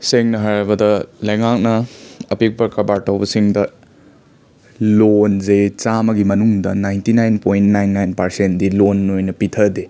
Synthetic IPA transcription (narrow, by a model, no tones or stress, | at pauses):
seŋnɐɦaɾɐbɐdɐlɐjŋak̚nɐɐpik̚bɐɾkɐbaɾtɐwbɐsiŋdɐ | lonzet͡ʃamɐɡimɐnuŋdɐ̰najntinajnpojnnajnːajnpɐɾsentdilonːojnɐpitʰɐde